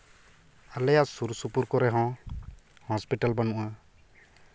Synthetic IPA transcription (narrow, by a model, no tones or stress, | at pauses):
alɛjaʔsuɾsupuɾkɔɾɛɦɔ̃ | hɔspiʈalbanuʔa